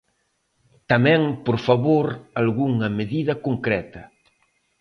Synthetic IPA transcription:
t̪amɛ̃ŋpoɾfaβoɾalɣuŋɐmeðiðɐkoŋkɾɛt̪ɐ

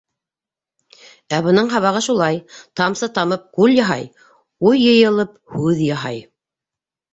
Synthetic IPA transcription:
æbɤ̆nɤɴɦɑβɑʁɤʃulˠɑjt̪ɑmsɤt̪ɑmɤp̚kʉljɑɦɑ̰j | ujːɤ̆jɤ̆lˠɤp̚hʉðjɑɦɑj

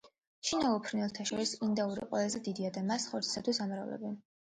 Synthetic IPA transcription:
ʃinaupʰɾinɛlˠt̪ʰaʃɔɾisind̪auɾḭqʼwɛ̰lˠazɛd̪id̪iad̪amasχɔɾt̪sʰi̥sat̪ʰwisamɾa̰vlɛ̰bi

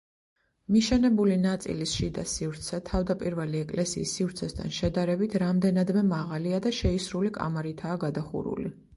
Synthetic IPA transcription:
miʃɛnɛbulinat̪sʼḭlisʃid̪asifɾt̪sʰɛt̪ʰavd̪apʼiɾvɛliɛkʼlɛsḭːsːivɾt̪sʰɛst̪ʰa̰nʃɛd̪aɾɛbit̪ʰɾamd̪ɛnad̪mɛmaʁaliad̪aʃɛisɾulikʼa̰maɾit̪ʰaːɡad̪aχṵɾṵlḭ

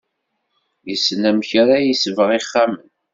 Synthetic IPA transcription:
jəsːnæmçɾajisəvəʁiχːamən

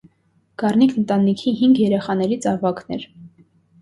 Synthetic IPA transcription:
ɡ̥ɑrnikʰnənt̪ɑnikʰiɦiŋɡjɛɾɛχɑnɛɾit͡sʰɑvɑknɛ̰ɾ

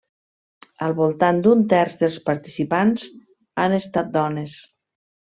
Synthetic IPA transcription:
əlˠβulˠt̪and̪unt̪ɛrzðəlˠspaɾt̪isipanz | anest̪at̪̚d̪ɔnes

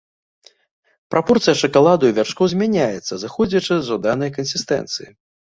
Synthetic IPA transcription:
pɾapɔrt̪sɨjɐʂɨkalˠad̪ujvʲarʂkɔwzʲmʲanʲajɛt̪sːɐzɨxɔd͡zʲɐt͡ʂɨzɔd̪anɐjkɐnsʲist̪ɛ̰nt̪sɨjḭ

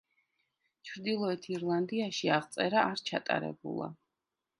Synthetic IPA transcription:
t͡ʃʰɾd̪ilˠɔɛt̪ʰiɾlˠand̪iaʃiaʁt̪sʼɛɾaʔːɾt͡ʃʰa̰t̪ʼa̰ɾɛ̰bṵlˠa̰

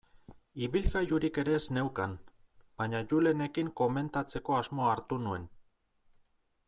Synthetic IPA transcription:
iβilɣajuɾike̞ɾe̞ːzne̞wkan | b̥aɲaʝule̞ne̞kiŋko̞me̞nt̪at͡se̞ko̞azmo̞aːɾt̪unue̞n

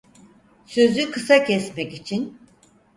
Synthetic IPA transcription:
sø̞zykʰɯsacʰɛsmɛkit͡ʃʰin

